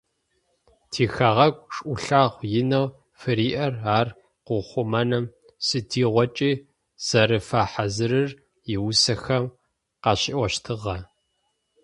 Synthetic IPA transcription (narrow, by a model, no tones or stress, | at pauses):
tʰiːxaʁɐkʷʼʂʼʔʷʊɬaːʁʷjɪnɐw | fɨɾiːʔɐraːr | qʊχʷʊmɐnɐm | sɨtʰiːʁʷɔt͡ʃʼiː | z̥ɐɾɨfaːħazɨrɨr | jɪwsɐxɐm | qɑɕɪ̰ʔʷɔʃtʰɨʁɐ